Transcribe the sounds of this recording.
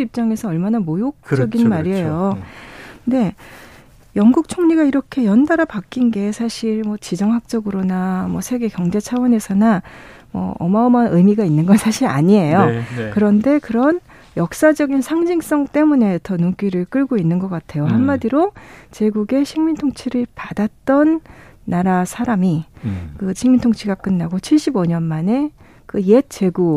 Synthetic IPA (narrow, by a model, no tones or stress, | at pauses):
ip̚t͡ɕ͈aŋe̞sʰʌʌɭmanamojok̚ʌɡinmaɾiejo | nde̞ | jʌŋɡuk̚t͡ɕʰoŋɲiɡaiɾʌkʰe̞jʌndaɾapak͈inɡe̞sʰaɕʰiɭmwʌt͡ɕid͡ʑʌŋɦak̚t͡ɕ͈ʌɡɯɾonamwʌsʰe̞ɡe̞kjʌŋd͡ʑe̞t͡ɕʰawʌne̞sʰʌnamwʌ̰ʌ̰maʌmaʔɯmiɡainːɯnɡʌnsʰaɕʰiɾa̰ɲie̞jokɯɾʌnde̞kɯɾʌn | jʌk̚s͈ad͡ʑʌɡinsʰaŋd͡ʑiŋs͈ʌŋt͈e̞mune̞tʰʌnuŋk͈iɾɯɭk͈ɯɭɡoinːɯnɡʌk͈atʰe̞joɦamːadiɾot͡ɕe̞ɡuɡe̞ɕʰiŋmintʰoŋt͡ɕʰiɾɯɭpadat̚t͈ʌnːaɾasʰaɾamikɯɕʰiŋmintʰoŋt͡ɕʰiɡak͈ɯnːaɡot͡ɕʰiɭɕ͈iboɲʌnmane̞ | kɯjet̚t͡ɕ͈e̞ɡu